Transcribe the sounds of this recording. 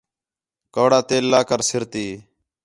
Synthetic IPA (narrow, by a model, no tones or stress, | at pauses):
koːɽaːt̪eːlːaːkəɾsɪɾt̪iː